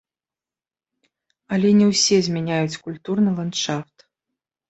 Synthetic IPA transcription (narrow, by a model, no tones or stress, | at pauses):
ɐlʲɛnʲɛwsʲɛzʲmʲanʲajut͡sʲkulʲt̪urnɨlˠant̪ʂaft̪